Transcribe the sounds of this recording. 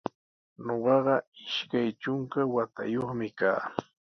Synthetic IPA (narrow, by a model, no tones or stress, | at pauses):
noɢɑɢɑɪʃkajt͡ʃʊŋkawat̪a̰joχmɪkaː